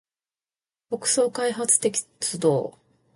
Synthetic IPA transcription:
b̥okɯ̟̥so̞ːkaiɦat͡sɨ̥t̪e̞kʲi̥ | t͡sɨd̪o̞ː

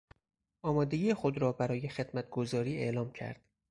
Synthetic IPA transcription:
ʔɒːmɒːd̪e̞ɡʲiːjexod̪ɾɒːbæɾɒːje̞xe̞d̪̥mæt̪̚ʰɡ̥o̞zɒːɾiːe̞̰ʔlɒːmcʰæ̰ɾd̪̥

